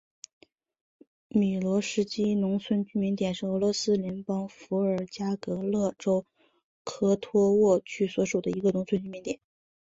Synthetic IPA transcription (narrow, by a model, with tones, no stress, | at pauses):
mi˨˩lwɔ˧˥ʂɻ̩˧˥t͡ɕi˥nʊ˧˥ŋsʰwə˥˧nt͡ɕy˥˩mi˧˥nt̪jɛ˨˩nʂɻ̩˥˩ɤ˧˥lwɔ˧˥sɹ̩˥ljɛ˧˥npɑ˥ŋfu˧˥ə˞˨˩t͡ɕja˥kɤ˧˥lɤ˥˩ʈ͡ʂo˥ʊ | kʰɤ˥t̪ʰwɔ˥wɔ˥˧t͡ɕʰy˥˩swɔ˧˥ʂu˨˩d̪ə˦i˧˥ɡə˧ʊ˧˥ŋt͡sʰwə˥˧nt͡ɕy˥˩mi˧˥nt̪jɛ˨˩˦n